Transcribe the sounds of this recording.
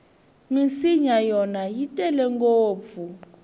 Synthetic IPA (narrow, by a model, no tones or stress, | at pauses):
misiɲajɔnajitʼɛlɛŋkoːp̪fu